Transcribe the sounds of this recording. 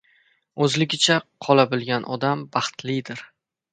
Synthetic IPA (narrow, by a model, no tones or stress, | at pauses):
ɵzlɪɡʲɪt͡ʃʰaqʰɒlˠabɪlˠɡʲanʔɒd̪ambɑχt̪lɪd̪ɪɾ